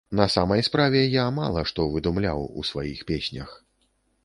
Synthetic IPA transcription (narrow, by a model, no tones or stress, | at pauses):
nɐsamɐjspɾavʲɛjama̰lˠɐʂt̪ɔvɨd̪umlʲa̰wṵsvajixpʲesʲnʲɐ̰x